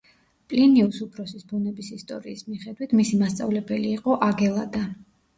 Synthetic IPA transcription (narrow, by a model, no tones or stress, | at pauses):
pʼliniusupʰɾɔsisbunɛbisist̪ʼɔ̰ɾḭːsmiχɛd̪wit̪ʰmisimast̪sʼa̰vlɛbɛliːqʼɔʔaɡɛlˠad̪a